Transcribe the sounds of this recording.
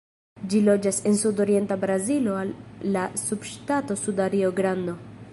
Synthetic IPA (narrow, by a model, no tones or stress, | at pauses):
d͡ʒilo̞d͡ʒase̞nsudo̞ɾie̞ntabɾazilo̞alːasubʃtato̞sudaɾioɡɾando̞